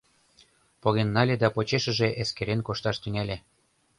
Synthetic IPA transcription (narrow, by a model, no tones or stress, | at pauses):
poɣenːɑlʲed̪ɑpot͡ɕeʃə̆ʒeʔeskeɾenkoʃt̪ɑʃt̪yŋælʲe